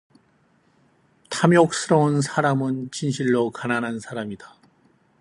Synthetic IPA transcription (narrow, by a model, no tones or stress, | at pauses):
tʰamjok̚s͈ɯɾʌunsʰaɾamɯnt͡ɕinɕʰiɭːokananɦansʰaɾamida